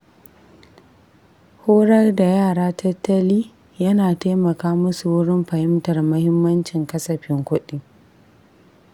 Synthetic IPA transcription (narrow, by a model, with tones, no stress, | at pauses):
hoː˦ɽɐ˦rda˨jaː˦˨ɽaː˦tʰɐ˦tːɐ˦liː˦ | jɐ˦naː˨teː˦mɐ˨kaː˦mʊ˦su˨wʊ˦ɽɪ˦mɸɐ˨hɪ˦mtɐ˨rmɐ˦hɪ˦mːɐ˦nt͡ʃɪ˨ŋkɐ˦sɐ˨ɸɪ˦ŋkʷʊ˦ɗi˦